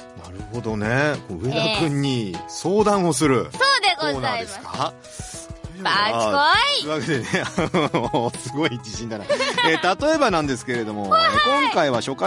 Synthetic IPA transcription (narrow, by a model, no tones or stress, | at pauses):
naɾɯ̟ho̞d̪o̞ne̞koɯ̟e̞d̪akɯ̟̃ɲ̟ːiso̞ːd̪ãɰ̃o̞s̬ɨɾɯ̟sod̪koːnaːd̪e̞sɨ̥ka | aoiβaked̪eneaosɨɡo̞it͡ɕiɕĩnd̪anaet̪at̪o̞e̞banãnd̪e̞sɨ̥ke̞ɾe̞d̪o̞mo̞ekõ̞ŋkaiβaɕo̞kːa